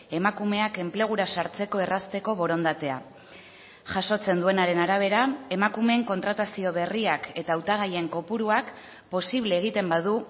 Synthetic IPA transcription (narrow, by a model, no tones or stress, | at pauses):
e̞makume̞ake̞mple̞ɣ̞uɾasaɾt͡se̞ko̞e̞rast̪e̞ko̞βo̞ɾo̞nd̪at̪e̞a̰ | ʝaso̞t͡se̞nd̪ue̞naɾe̞naɾaβ̞e̞ɾae̞makume̞ŋko̞nt̪ɾat̪asio̞βe̞riake̞t̪aːwt̪aɣ̞aje̞ŋko̞puɾuak | po̞siβ̞le̞ːɣ̞it̪e̞mbaðu